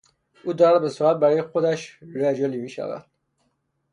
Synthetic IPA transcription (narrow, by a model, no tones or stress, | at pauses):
ʔuːd̪ɒɾæd̪̚besuɾæt̪̚bæɾɒːjexod̪æʃɾæd͡ʒɒlimiːʃæ̰væ̰d̪̥̚